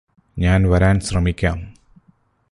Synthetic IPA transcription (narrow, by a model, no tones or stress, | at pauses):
ɲaːnʋɐɾaːnɕrɐmikʲːaːm